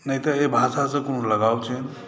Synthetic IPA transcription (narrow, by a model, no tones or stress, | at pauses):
nəjt̪əebʱasasə̃kunuləɡawt͡ʃʰe